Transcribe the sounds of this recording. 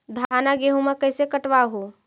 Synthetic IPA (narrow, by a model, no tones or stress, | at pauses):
d̪ʱaːnaɡeːɦumẽkəɪsekəʈʋaɦu